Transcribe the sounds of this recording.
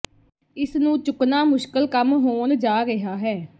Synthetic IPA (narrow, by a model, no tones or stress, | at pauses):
ɪsnũːt͡ʃʊknaːmʊʃkəlkəmɦoːnd͡ʒaːɾɪɦaːɦɛː